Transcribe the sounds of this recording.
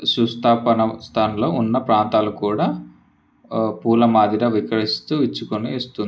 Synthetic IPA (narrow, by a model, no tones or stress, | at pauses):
sust̪ʰaːpɐnɐst̪ʰaːnɐlo̞ːunːɐpɾaːnt̪aːlukuːɽaː | puːlɐmaːd̪iɾɐʋikɐɾist̪uːit͡ʃːukoniːst̪und̪i